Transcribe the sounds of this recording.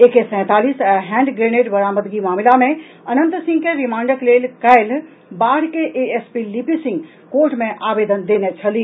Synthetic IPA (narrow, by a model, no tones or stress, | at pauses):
ekesɛ̃ːt̪aːliːsɦɛ̃ːɳɖɡɾeːneːʈbɐɾaːməd̪ɡimaːmɪlamẽ | ɐnə̃nt̪sĩŋɡkeɾimãːɳɖəkleːlkəɪl | baːɽkeʔeespilipisɪ̃ŋɡ | koːɾʈmẽʔaːbeːd̪ənd̪eːnet͡ʃʰəli